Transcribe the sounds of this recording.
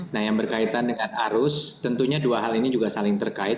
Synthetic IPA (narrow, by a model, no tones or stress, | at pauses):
nahjaŋbərkait̪andəŋanaɾʊst̪ənt̪uɲaduaɦalinid͡ʒuɡasalɪŋt̪ərkaɪt̪̚